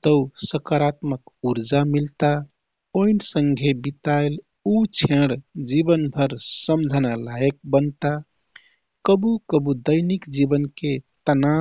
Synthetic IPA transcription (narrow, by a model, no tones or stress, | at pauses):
t̪əusəkaɾat̪məkuɾd͡ʒamilt̪a | oinsəŋɡʱebit̪aɪl | ut͡ʃʰẽɽd͡ʒibənbʱəɾsəmd͡ʒʱənalaek̚bənt̪a | kəbukəbud̪əɪnikd͡ʒibənket̪əna